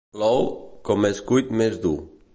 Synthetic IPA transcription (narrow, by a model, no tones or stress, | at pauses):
lɔwkomeskujt̪mezd̪u